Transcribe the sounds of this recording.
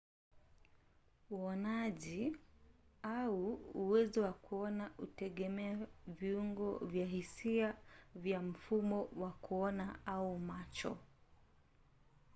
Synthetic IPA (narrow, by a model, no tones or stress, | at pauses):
uɔnaʄi | auːwɛzɔwakuɔnautɛɠɛmɛaviuŋɡɔ̰vjaɦisiavjam̩fumɔwakuɔnaaumat͡ʃɔ̰